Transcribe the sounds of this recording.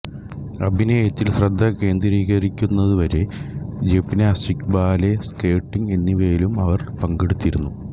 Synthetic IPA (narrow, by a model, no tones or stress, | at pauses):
ɐbʱinɐjɐt̪ːilɕrɐd̪ʱːɐke̞ːnd̪ɾiːɣɐɾikʲːunːɐðuʋɐɾe̞d͡ʑepːineɐsʈikbaːleskeːʈːiŋɡe̞nːiʋɐjilumɐʋɐrpɐŋɡeɽut̪ːiɾunːu